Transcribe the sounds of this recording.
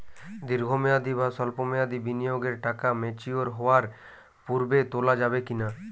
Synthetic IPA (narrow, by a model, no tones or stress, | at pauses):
d̪iɾɡʱomead̪ibʱasɔlpomead̪ʱibinijoɡeɾʈakamet͡ʃioɾɦɔaɾ | puɾbet̪olad͡ʒabekina